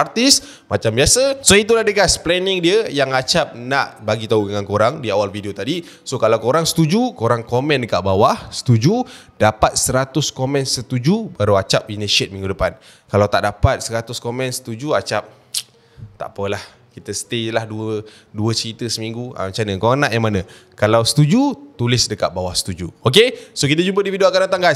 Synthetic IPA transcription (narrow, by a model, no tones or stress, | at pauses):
art̪is | mat͡ʃambiasəsoit̪̬ulahdəɡasplɛnɪŋdiəjaŋat͡ʃap̚naʔbaɡit̪audəŋankoɾaŋdiawalfideot̪adi | sokalawkoɾaŋsə̥t̪ud͡ʒukoɾaŋkomɛ̃ndəkaʔbawahsə̥t̪ud͡ʒudapat̪̚səɾat̪ʊskomɛ̃nsət̪ud͡ʒubaɾuat͡ʃap̚inəsiət̪̚mĩŋɡudəpan | kalawt̪aʔdapat̪̚səɾat̪ʊskomɛ̃nsə̥t̪ud͡ʒuat͡ʃap̚ | t̪a̰ʔpəlah | kit̪əsə̥t̪elahduə | duəsəɾit̪əsəmĩŋɡua̰mət͡ʃanəkoanaʔjaŋmanãkalawsə̥t̪ud͡ʒut̪ulɪsdəkaʔ̪̚bawahsə̥t̪ud͡ʒuok̬esokit̪əd͡ʒumpədifidiakanat̪aŋɡa